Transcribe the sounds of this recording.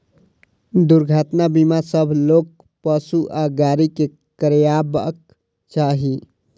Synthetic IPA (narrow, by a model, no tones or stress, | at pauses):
d̪uɾɡʱat̪nabimasəbʱlok̚ | pəsuʔaɡaɾike | kɾjabə̰k | t͡ʃaɦi